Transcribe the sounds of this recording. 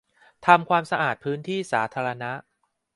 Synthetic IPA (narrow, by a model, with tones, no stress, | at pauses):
t̪ʰa˧mkʰwaː˧msa˧ʔaː˨˩t̪̚pʰɯː˦˥nt̪ʰiː˥˩saː˩˦t̪ʰaː˧ɾa˧na˦˥ʔ